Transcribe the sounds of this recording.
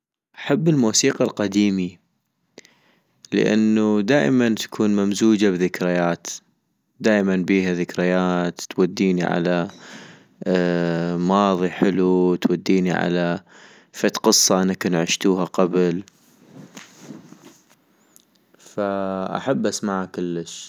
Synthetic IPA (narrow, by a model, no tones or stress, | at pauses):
ʔaħabːɪlmuːsiːqɑlqad̪iːmi | lə̰ʔa̰nːud̪aːʔmant̪ḁkʰuːnmamzuːd͡ʒabðɪkɾɪjaːt̪ | d̪aːʔmanbiːhaðɪkɾɪjaːt̪ːwad̪ːiːniʕa̰la | mɑːðˤiħɪlut̪wad̪ːiːniʕa̰la | fat̪qɨsˤːɑʔɪnːakʊnʕɪʃt̪uːɦaqabl | faʔa̰ħabːʔasmaʕakɪlːəʃ